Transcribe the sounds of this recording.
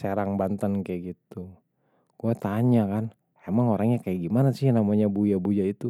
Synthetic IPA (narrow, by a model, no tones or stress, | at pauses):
seɾaŋbant̪ənkajaɡit̪u | ɡ̥uɛt̪aɲakan | emaŋoɾaŋɲakajaɡimanasɪhnamaɲabujabujait̪u